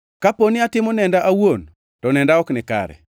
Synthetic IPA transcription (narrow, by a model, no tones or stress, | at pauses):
kaponɪatɪmɔnɛndaʔawon | tɔnɛndaɔknɪka̰ɾɛ̰